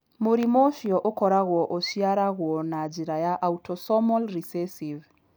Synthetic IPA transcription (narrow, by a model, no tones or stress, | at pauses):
moɾimoʃiɔʔokɔɾaɣwɔʔoʃiaɾaɣwɔnad͡ʒiɾajaʔautʰɔsɔmɔlɾisɛsiv